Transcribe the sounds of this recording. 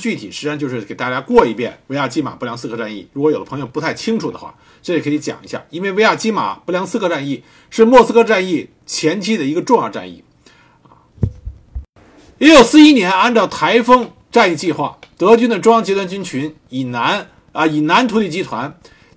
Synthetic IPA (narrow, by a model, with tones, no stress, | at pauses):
t͡ɕy˥˩t̪ʰi˨˩ʂɻ̩˧˥ʂa˥nt͡ɕjo˥˧ʊʂɻ̩˥˩ke˨˩ɪt̪a˥˧˩t͡ɕja˥kwɔ˥˧˩i˧˥˩pjɛ̰˥˩nwe˧˥ɪja˥˩t͡ɕi˥ma̰˨˩pljɑ˧˥ŋsɹ̩˥kʰɤ˧˥ʈ͡ʂa˥˧nḭ˥˩ɻu˧˥kwjo˨˩ʊd̪əpʰɤ˧˥ŋjo˧ʊpt̪ʰa˥˩ɪt͡ɕʰi˥ŋʈ͡ʂʰu˨˩d̪ə̰˩˦xwa̰˥˩ | ʈ͡ʂɤ˥˩ʂ̩i˥˩kʰi˧˥t͡ɕjɑ̰˨˩ŋi˧˥ɕja̰˥˩i˥nwe˥˩ɪwe˧˥ɪja˥˩t͡ɕi˥ma̰˨˩pu˥ljɑ˧˥ŋs̩˥kʰɤ˥˧ʈ͡ʂa˥˧ni˥˩ | ʂɻ̩˥˧mwɔ˥˩sɹ̩˥kʰɤ˥ʈ͡ʂa˥˧ni˥˩ | t͡ɕʰjɛ˧˥nt͡ɕʰi˥d̪ə˨i˧˥ɡə˧ʈ͡ʂʊ˥˧ŋjɑ˥˧ʈ͡ʂa̰˥˧nḭ˥˩ | jɛ˧˥jo˨˩ʊsɹ̩˥˧i˥njɛ˧˥na˥˧nʈ͡ʂɑ˥˩ʊt̪ʰa˧˥ɪfɤ˥ŋ | ʈ͡ʂa˥˧ni˥˧t͡ɕi˥˧xwa̰˥˩t̪ɤ˧˥t͡ɕy˥nd̪ə˨˩ʈ͡ʂʊ˥ŋjɑ˥ŋt͡ɕjɛ˧˥t̪wa˥nt͡ɕy˥nt͡ɕʰy˧˥n | i˨˩na˧˥n | ə˧i˨˩na˧˥nt̪ʰu˧˥li˥˩t͡ɕi˥t̪ʰwa˧˥n